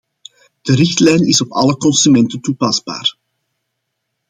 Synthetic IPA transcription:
d̥əɾɪxtlɛjnɪsɔpɑləkɔnsymɛntəntupɑzba̰ːr

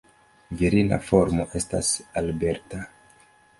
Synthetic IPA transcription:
viɾina̰fo̞ɾmo̞ʔe̞sta̰salbe̞ɾta

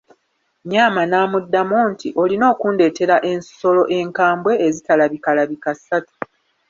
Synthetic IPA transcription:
ɲaːmanaːmudːamoːntiʔo̞lino̞ːkuːnde̞te̞ɾaʔe̞nsso̞lo̞ʔe̞ŋkaːmbwe̞ːzitalaβikalaβikasːatu̥

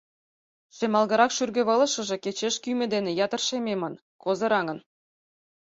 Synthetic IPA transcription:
ʃemɑlˠɣɑɾɑkʃyrɡɘ̆βɤ̆lˠɤ̆ʃɤ̆ʒĕket͡ɕeʃkymʲĕd̪enĕjɑt̪ə̆rʃemʲemɤn | kozɤ̆ɾɑŋɤ̆n

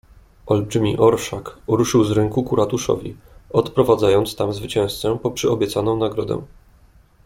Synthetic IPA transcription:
ʔɔlbʐmʲiʔɔɾʂakuɾuʂɘwzɾɛŋkukuɾat̪uʂɔ̰vʲḭɔt̪pɾɔvad̪zajɔnt̪st̪amzvɘt͡ɕɛ̃w̃st̪sɛpɔpʂɘɔbʲjɛt̪sanɔ̃w̃naɡɾɔd̪ɛ̰̃

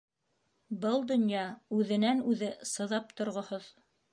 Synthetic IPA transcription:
bɤlˠd̪ŏnjɑʉðɘ̆nænʉðɘsɤ̆ðɑpt̪ŏɾʁŏhoð

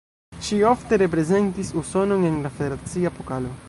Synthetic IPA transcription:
ʃio̞fte̞ɾe̞p̬ɾe̞ze̞ntisuso̞no̞ne̞nlafe̞d̪eɾat͡siapokalo̞

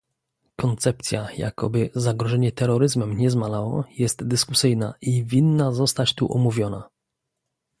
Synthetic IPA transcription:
kɔnt̪sɛpt̪sʲjaja̰kʰɔ̰bɘzaɡɾɔʐɛɲɛt̪ɛɾɔɾɘzmɛmɲɛzmalawɔ̰jɛst̪d̪ɘskusɘjna̰ʔivʲinːazɔst̪at͡ɕt̪uʔɔmuvʲjɔna

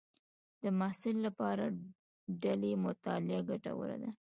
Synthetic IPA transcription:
d̪̥əmɑhsɪlːapɑɾa | ɖalemʊt̪ɑlɪaɡaʈa̰wə̰ɾa̰d̪a

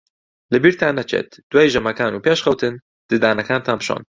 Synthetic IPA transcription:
lɨbiːɾt̪ʰaːnːɛt͡ʃʰḛːt̪d̪̥uwajʒɐmɐkaːnuːpeːʃxɐwt̪ʰɨn | d̪̥ɨd̪aːnɐkʰaːnt̪ʰaːnpʃɑ̰ːn

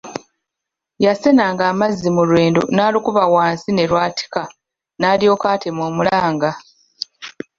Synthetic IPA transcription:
jase̞naːŋɡaːmazːimulweːndo̰naːlikuβawaːnsine̞lwaːtʰi̥ka | naːljo̞ːkaːtʰemoːmulaːŋɡa

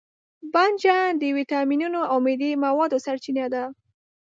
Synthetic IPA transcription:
band͡ʒad̪əjwit̪ɑminunoawmed̪emawɑd̪osaɾt͡ʃinad̪a

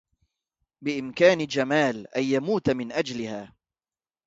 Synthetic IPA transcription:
bɪʔɪmkaːnɪd͡ʒamaːlʔajːamuːt̪mɪnʔad͡ʒlɪhaː

